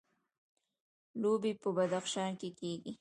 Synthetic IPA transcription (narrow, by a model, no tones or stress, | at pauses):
lobipəbad̪axʃɑnkekeɡi